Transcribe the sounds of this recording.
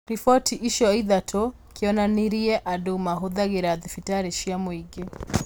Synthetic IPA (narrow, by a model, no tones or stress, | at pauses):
ɾifɔtʰiʔiʃɔiðatʰɔ | kiɔnaniɾiɛʔadumaɦoðaɣeɾaðifitaɾɛʃiamwiɡɛ